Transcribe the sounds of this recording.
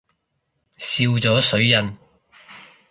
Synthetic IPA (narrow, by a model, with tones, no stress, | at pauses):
siː˧wt͡sɔː˨˥sɵ˨˥ɥjɐ˨n